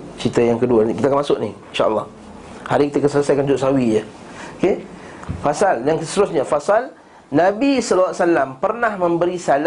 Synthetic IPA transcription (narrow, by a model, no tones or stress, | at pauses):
t͡ʃit̪əjaŋkəduanikit̪akanmasʊʔnḭinʃa̰ʔəlˠːɑh | haɾikit̪akəsələsajkand͡ʒʊʔsɦawijə | oke | fasaljaŋsət̪əɾʊsɲafasal | nabisɔlːasalampərnahmə̃mbəɾisala